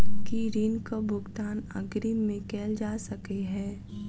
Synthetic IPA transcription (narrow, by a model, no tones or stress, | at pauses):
kiɾiːnkabʱʊɡt̪aːnə̰ɡɾimẽkɛːld͡ʒaːsɐkeɦɛː